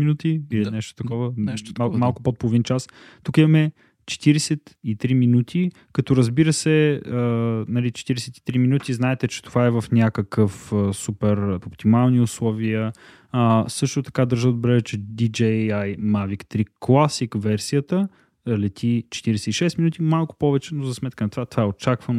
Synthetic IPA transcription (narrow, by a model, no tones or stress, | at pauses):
minut̪iilinɛʃt̪o̥t̪ɐkɔvənɛʃmalˠkʊ̥pot̪̚polˠovint͡ʃast̪ukimɐmɛ | t͡ʃɛ̥t̪iɾɛsɛt̪it̪ɾiminut̪ʰi | kɐt̪ɔɾəzbiɾəsɛənɐlit͡ʃɛ̥t̪iɾɛsɛt̪i̥t̪ɾiminut̪iznaɛt̪ɛt͡ʃɛ̥t̪ovaɛvəfnʲakəkəfəsupɛɾopt̪imalˠniʊslˠɔviə | sɤʃt̪ot̪ɐ̥kad̪əɾʒəd̪obɾɛvɛt͡ʃɛd̪id͡ʒɛajmavikt̪ɾiklˠasikvɛɾsijət̪ə | lɛt̪ʰʲit͡ʃɛ̥t̪iɾɛsɛiʃɛst̪minut̪imalˠkʊ̥pɔvɛt͡ʃɛnozɐsmɛt̪̚kənɐt̪ovat̪ovaɛot͡ʃakvən